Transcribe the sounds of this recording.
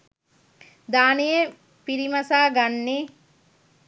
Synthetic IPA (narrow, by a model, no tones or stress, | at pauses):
d̪aːneje | piɾimɐsaːɡanːe